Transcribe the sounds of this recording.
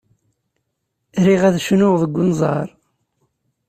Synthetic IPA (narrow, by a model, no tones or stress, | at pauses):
ɾiʁæðʃnʊʁðˤəɡʷːʊnzˤɑ̰ɾˤ